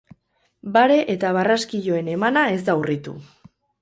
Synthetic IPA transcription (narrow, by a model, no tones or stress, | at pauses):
baɾe̞ʔet̪aβ̞araskiʎo̞e̞ne̞manae̞zd̪aurit̪ṵ